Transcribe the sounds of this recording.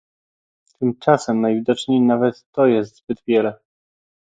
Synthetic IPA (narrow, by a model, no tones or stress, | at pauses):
t̪ʰɘmt͡ʂasɛmnajvʲid̪ɔt͡ʂɲejnavɛt̪ːɔjɛst̪z̥bɘd̪vʲjɛlɛ